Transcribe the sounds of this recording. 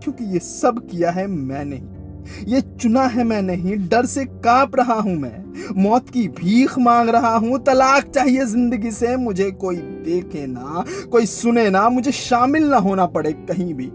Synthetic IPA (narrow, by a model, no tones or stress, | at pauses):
kjõːkijesɐbkijaɦɛmɛ̃ːnɐɦĩ | jet͡ʃʊnaɦɛmɛ̃ːnɐɦĩɖɐɾsekãːpɾɐɦaɦũmɛ̰̃ː | mɔːt̪kibʱiːxʰmãːŋɡɾɐɦaɦũt̪ɐlaːkt͡ʃaːɦiezɪ̃nd̪əɡisemʊd͡ʒʱekoːid̪eːkʰenɐkoːisʊnenamʊd͡ʒʱeʃaːmɪlnɐɦoːnapɐɽeːkɐɦĩbʱiː